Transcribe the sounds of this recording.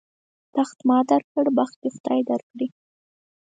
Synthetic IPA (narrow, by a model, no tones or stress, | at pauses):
t̪axt̪mɑd̪aɾkəɽbaxt̪exʊd̪̥ɑjd̪aɾkɽi